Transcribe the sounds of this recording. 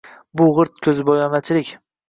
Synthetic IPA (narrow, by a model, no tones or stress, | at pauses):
bʊʁɨɾt̪̚kʲʰɵzɪbɒjɒmat͡ʃʰɪlɪkʲ